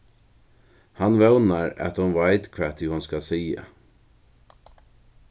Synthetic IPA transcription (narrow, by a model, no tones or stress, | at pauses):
hanʋɛʊnaɾa̰t̪hʊnʋaɪd̪kʰʋæt̪ʰɪhʊnskasiːa̰